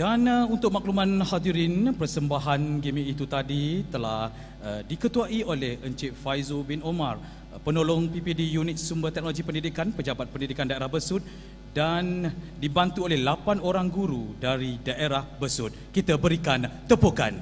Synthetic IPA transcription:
d̥anunt̪ʊk̚mãk̚lumãnhad̪iɾinpərsəmbaɦanɡimĩit̪ut̪adit̪əla̰h | dikət̪uaʔiolɛhʔəɲt͡ʃiʔfajzobɪnomar | pənolɔŋpipidijunɪt̪̚sumbərt̪ɛk̚noloɡipəndidikanpəd͡ʒabat̪̚pəndidikandaeɾahbəsʊt̪̚ | dandibant̪uolɛhlapanoɾaŋɡuɾudaɾidaʔeɾahbəsʊt̪̚kit̪abəɾikant̪əpoka̰n

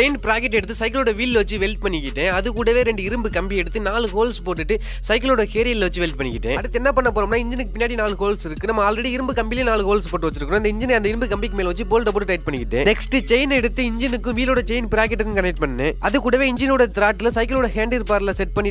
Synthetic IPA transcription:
t͡ʃɛɪnpɪɾaːkɛʈːɛɽɯt̪ːɯsɐɪkɐloːɽɐʋiːlʋɐt͡ʃːɯʋɛlʈ̚pɐɳːɪkːɪʈːẽːɐðɯkːuːɽɐʋeːɾɛɳɖɯɪɾɯmbɯkɐmbiɛɽɯt̪ːɯnaːlɯkoːlspoːʈːɯʈːɯ | sɐɪkːɐloːɽɐkeːɾilːʋɐt͡ʃːɯʋɛlʈ̚pɐɳːɪkːɪʈːẽːɐɽɯt̪ːɛnːɐpɐɳːɐpːoːɾɐmnaːɪɲd͡ʒɪnɯkːɯpɪnːaːɽinaːlɯkoːlsɪɾɯkːɯnɐmːɐaːlɾɛɽiɪɾɯmbɯkɐmbilenaːlɯkoːlspoːʈːɯʋɐt͡ʃːɪɾɯkːɐɳ̃ʊ̃ɪnd̪ɐɪɲd͡ʒɪnɐnd̪ɐɪɾɯmbɯkɐmbikːɯmeːlʋɐt͡ʃːɯpoːlʈɐp̬oːʈːɯʈɐɪʈ̚pɐɳːɪkːɪʈːẽːnɛksʈɯt͡ʃɐɪnɛɽɯt̪ːɯɪɲd͡ʒɪnɯkːɯ̃ʋiːloːɽɐt͡ʃɐɪnpɪɾaːkɛʈ̬ːɯkːɯ̃kɐnɛk̚ʈpɐɳːɐnɯʔɐðɯkːuːɽɐʋeːɪɲd͡ʒɪnuːɽɐt̪ɪɾaːʈːɪlsɐɪkːɐloːɽɐheːɳɖɪɾɯpaːɾlɐsɛʈ̚pɐɳːɪ

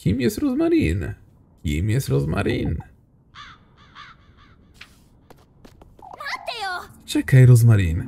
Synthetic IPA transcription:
kʲimjɛst̪ɾɔzmaɾin | kʲḭmjɛst̪ɾɔzma̰ɾḭn | at̪t͡ʃɛkajɾɔzmaɾḭn

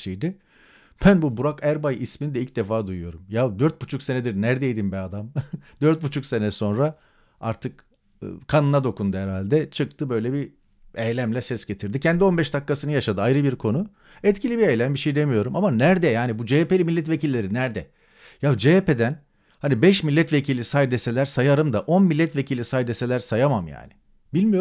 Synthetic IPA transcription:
ʃejd̪ɪ | b̥ænbubuɾakæɾbajʔisminid̪ɛilʲc̚d̪ɛfaːd̪ujujo̞ɾumjad̪øɾt̪̚but͡ʃʰuksenɛd̪iɾnæɾd̪ejd̪imbɛad̪amd̪øɾt̪̚but͡ʃʰukse̞nɛso̞nɾa | aɾt̪ʰɯk | kʰanɯnad̪o̞kund̪uɛɾalʲd̪ɛt͡ʃʰɯk̚t̪ʰɯbø̞jlʲɛbi | ejlʲæmlʲɛsɛsɟe̞t̪ʰiɾd̪icʰɛnd̪io̞nbɛʃd̪akːasɯnɯjaʃad̪ɯajɾɯbiɾkʰo̞nu | ɛt̪cʰilʲibiejlʲæmbiʃejd̪e̞mijo̞ɾumamanæɾd̪ɛjaːnibud͡ʒepelʲimilʲːɛt̪vecilʲːe̞ɾinæɾd̪ɛ | jad͡ʒepe̞d̪æn | hanibɛʃmilʲːɛt̪vecʰilʲisajd̪ese̞lʲæɾsajaɾɯmd̪aʔo̞nmilʲːɛt̪vecʰilʲisajd̪ese̞lʲæɾsajamamja̰ːnɪ | bilʲmijo

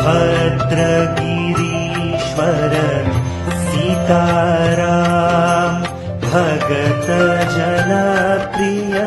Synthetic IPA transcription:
pɐt̪ɾɐɡiɾi | ʃʋɐɾɐ | sit̪aːɾa | m | bʱɐɡɐt̪ɐd͡ʒɐnapɾijɐ

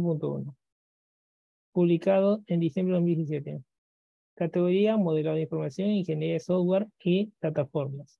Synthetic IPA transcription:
p̬unt̪oṵno | puβlikaðoend̪isjembɾeomils̬ijis̬jet̪e | kat̪eɣoɾiamoð̞elaðoĩɱfoɾmasjoŋiŋxeneɾiaesoft̪waɾiplat̪afoɾmas

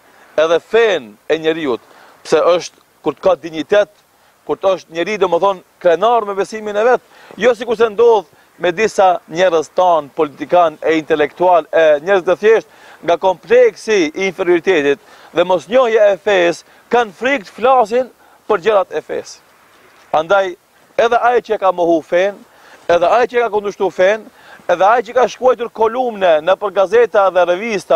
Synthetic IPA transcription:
ɛðɛfɛnɛɲɛɾiut̪ | psɛʔəʃt̪ | kuɾt̪kad̪iɲit̪ɛt̪ | kuɾt̪əʃt̪̚ɲɛɾid̪ɔmɛθɔnkɾɛnaɾmɛbɛsiminɛvɛt̪̚ | jɔs̬ikuɾs̬ɛnd̪ɔð | mɛd̪isaɲɛɾəzt̪anpɔlit̪ikanɛint̪ɛlɛkt̪ualɛɲɛɾzɛt̪ɛθjɛʃt̪̚ | ŋɡakɔmplɛksiːnfɛɾjɔɾit̪ɛt̪it̪ | ðɛmɔsɲɔhjaɛfɛs | kanfɾik̚t̪flas̬in | pəɾd͡ʑəɾat̪ɛfɛ̰s | and̪aj | ɛðɛajt͡ʃəɛkamɔhufɛn | ɛðɛajt͡ʃəɛkakund̪əʃt̪ufɛn | ɛðɛajt͡ʃəkaʃkuɔjt̪uɾkɔlumnɛnəpəɾɡazɛt̪aðɛrɛvist̪a

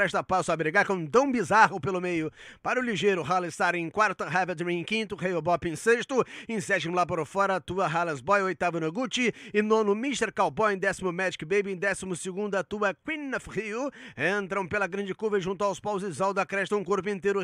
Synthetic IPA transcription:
ɾɛʃt̪ɐpasʊabɾiɡaɾkõd̪ɐ̃w̃bizaɦʊpelʊmejʊpaɾʊliʒejɾʊɦalɪst̪aɾẽj̃kwaɾt̪ʊɐɦaved̪ɾĩẽkĩnt̪ʊhejobɔpẽseʃt̪ʊẽsɛt͡ʃimʊlap̬aɾʊfɔɾɐːt̪uɐɦalɐzbɔjojt̪avʊnɐɡut͡ʃɪɪnõnʊmist̪eɾkawbɔ̃ẽd̪ɛsimʊmɛd͡ʒikɪbejbɪẽd̪ɛsimʊsɪɡũnd̪ɐt̪uɐkwinafhiuẽnt̪ɾɐ̃w̃pelɐɡɾɐ̃nd͡ʒɪkuvɐʒũnt̪̬ʊawspawzɪzawd̪ɐkɾɛd͡ʒit̪ɐũkoɾp̬ʊĩnt̪ejɾʊ

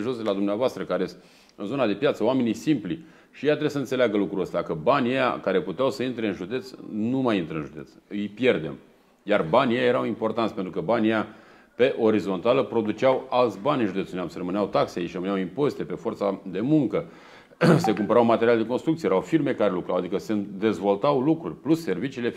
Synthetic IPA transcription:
ʒo̞sd̪elad̪umnavoast̪ɾəkaɾes | ɨnzo̞nad̪e̞pjat̪səoame̞nijsimpli | ʃiejat̪ɾebsəɨnseleaɡəlukɾuəst̪eakəbanʲjeja̰kaɾe̞put̪eawsəint̪ɾe̞ɨnʒud̪e̞t̪snumajint̪ɾəɨnʒud̪e̞t̪sɨjpje̞rd̪e̞̰m | jarbanʲjejaje̞ɾawimpo̞rt̪ant̪ʲpent̪ɾukəbanʲjeja | pe̞ʔo̞ɾizo̞nt̪aləpɾo̞d̪ut͡ʃawalt̪sʲbanʲɨnʒud̪eseneamserəmɨneawt̪akseait͡ʃrəmɨnawimpo̞zit̪e̞pe̞fo̞rt̪sad̪e̞muŋkə | se̞kumpəɾawmat̪e̞ɾialed̪e̞konst̪ɾukt̪siejeɾawfirme̞kaɾelukɾawad̪ikəsed̪e̞zvo̞lt̪awlukɾurʲplusːe̞rvit͡ʃiːle̞

